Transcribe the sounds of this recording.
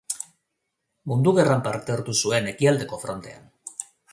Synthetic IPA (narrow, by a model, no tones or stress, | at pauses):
mund̪uɣerampaɾt̪eaɾt̪usue̞ne̞kiald̪e̞ko̞fɾo̞nt̪e̞a̰n